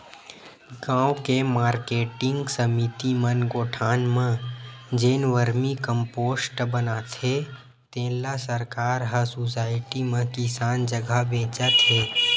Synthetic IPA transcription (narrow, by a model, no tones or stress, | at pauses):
ɡãːwkemaːɾkeːʈɪ̃ŋɡsəmit̪imənɡoːʈʰaːnmə̃d͡ʒeːnʋəɾmikə̃mpoːsʈbənat̪ʰe | t̪ẽːlasəɾkaːɾɦəsusaːɪʈimə̃kɪsaːnd͡ʒəɡʱabẽːt͡ʃət̪ʰɦeː